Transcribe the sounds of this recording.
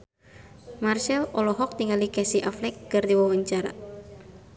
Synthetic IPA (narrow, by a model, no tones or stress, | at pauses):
marsɛlɔlɔɦɔk̚t̪iŋalikɛsiʔaflɛkːɨrdiwawəɲt͡ʃaɾa̰